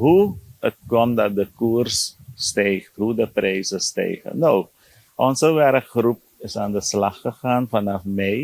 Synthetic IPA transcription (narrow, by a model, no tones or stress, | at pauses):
ɦuət̚kɔmdɑt̚dəkuərsːtejχtɦudəprɛjsəstɛ̰jχə̰now | ʔɔnsəʋɛɾəkχrup̚ɪsaːndəslɑχəχaːnfanɑfmɛj